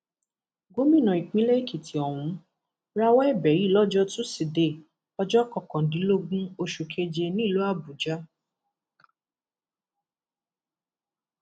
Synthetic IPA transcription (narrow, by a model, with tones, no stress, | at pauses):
ɡo˦mĩ˦˨nã˨i˨k͡pĩ˦le˦i˦˨ki˨tʰi˨ɔ˨w̃ũ˨˦ | ɾa˧wɔ˦ɛ˦˨bɛ˨˦ɾi˦˨lɔ˦d͡ʒɔ˦tũ˦si˨de˨ | ɔ˧d͡ʒɔ˦kɔ˨kɔ̃˨dĩ˨˦lo˦ɡũ˦o˧ʃu˨kʰe˧d͡ʒe˧nĩ˦˨lo˨˦a˦˨bu˨d͡ʒa˦